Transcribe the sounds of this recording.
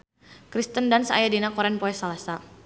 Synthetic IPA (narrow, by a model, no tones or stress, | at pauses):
kɾist̪əndansa̰jadinakɔɾɛnpɔɛsalasa